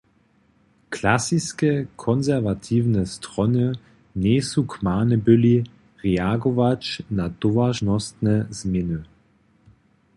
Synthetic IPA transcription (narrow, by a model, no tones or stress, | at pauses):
kʰlasiskɛkʰɔnzɛʁvat̪ʰiːwnɛst̪ʁɔnɨ | nɛːsukmaːnɛbɪli | ʁɛaɡɔvat͡ʃnad̪̥ɔvaʒnɔst̪nɛz̥mjɪnɨ